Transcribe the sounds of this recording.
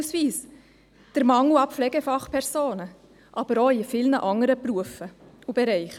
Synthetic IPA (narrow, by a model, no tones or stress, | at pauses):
sʋiːs | d̥əɾmɑŋuɑpflɛɡefɑχpʰɛɾsoːnə | ʔɑb̥əɾoifɪlnəʔɑŋəɾəpruəfəubɛɾɛɪχə